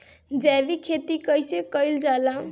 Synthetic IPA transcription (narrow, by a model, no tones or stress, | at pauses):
d͡ʒabikʰet̪ikəjsekəjld͡ʒalã